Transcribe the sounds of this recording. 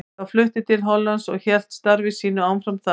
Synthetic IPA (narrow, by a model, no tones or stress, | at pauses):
awflʏht̪ɪt̪ʰɪlɦɔlːansɔɣçɛl̥t̪st̪aɾvɪsiːn̪ʏaːwnfɾamθa